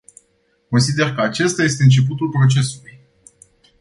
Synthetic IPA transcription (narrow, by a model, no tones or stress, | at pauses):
ko̞nsid̪e̞rkəat͡ʃe̞st̪aje̞s̬t̪e̞ɨnt͡ʃe̞p̬ut̪ulpɾo̞t͡ʃe̞suluj